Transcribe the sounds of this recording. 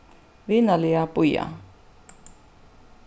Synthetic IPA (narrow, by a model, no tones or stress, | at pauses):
βɪnalɪapʼʊja̰